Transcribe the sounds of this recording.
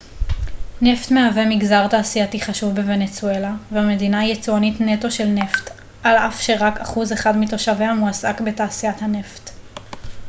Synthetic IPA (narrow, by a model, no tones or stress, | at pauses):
ne̞ftmeave̞miɡzaʁtaːsiatiχaʃuvbeve̞net͡sue̞laveame̞dinajet͡suanitneto̞ʃe̞lne̞ft | ʔalafʃe̞ʁakaχuzeχadmito̞ʃaveamuasakbe̞taːsijathane̞ft